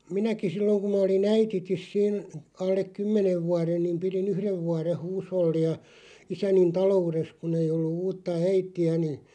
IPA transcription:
minæki silːoŋ kum mɑ olin æititis siːn ɑlːek kymːeneʋ ʋuɑren niːm pirin yhreʋ ʋuɑreh̆ huːsholːiɑ isænin tɑloures kun ei olːu uːtːɑ æitiæ ni

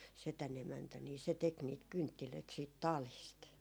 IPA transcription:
setæn emæntæ niː se tek niːt kyntːiløit siːt tɑliˑst

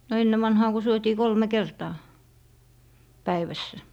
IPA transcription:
no enːe ʋɑnhɑː ko syøtiː kolme kertɑː pæiʋæsːæ

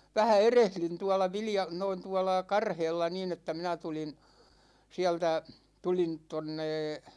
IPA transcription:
ʋæhæ erehlyn tuɑlɑ ʋiljɑ noin tuɑlɑ kɑrheːlːɑ nin etːæ minæ tulin siæltæ tulin tonːeː

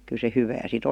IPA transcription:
kyl̆ se hyʋæː sit

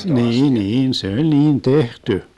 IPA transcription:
niːn niːn se olʲ niːn tehty

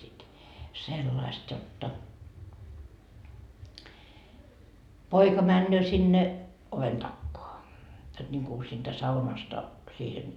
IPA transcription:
sit selːɑist jotːɑ poikɑ mænːøː sinːe oʋen tɑkːoɑ jot nʲiŋku siːntæ sɑunɑstɑ siːhen

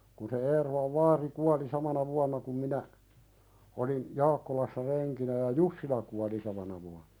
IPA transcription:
kun se eːrolɑʋ ʋɑːri kuɑli sɑmɑnɑ ʋuɑnːɑ kum minæ olin jɑːkːolɑsːɑ reŋkinæ jɑ jusːilɑ kuɑli sɑmɑnɑ ʋuɑnn̥ɑ̥

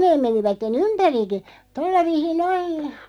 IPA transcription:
neːm̆ meniʋætːen ympæriki tolːɑ ʋiːsin noin

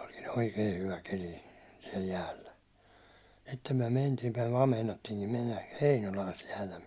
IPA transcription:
o̥l̥ki̥n̥ oikei hyʋæ keli siɛl jæːlːæ sitːem myæ̹ mentiː myæ̹ ʋɑː meinɑtːiːŋki menːæ heinolɑː sit jæːtæ

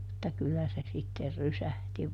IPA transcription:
mutːɑ kylːæ se sitːer rysæhti

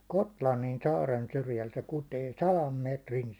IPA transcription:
kotlɑnːin sɑːren syrjæl se kuteː sɑlɑm meˑtrin

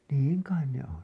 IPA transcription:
niːŋ kɑin ne on

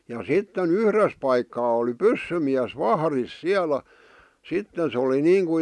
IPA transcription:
jɑ sitːen yhres pɑikːɑː oli pysːymiæs ʋɑhris siælæ sitːen̞ se oli niːŋku

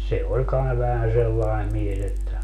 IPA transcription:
se olʲ kɑi ʋæhæn selːɑe mies etːæ

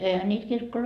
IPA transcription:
eihæ niːt kirkːoloi

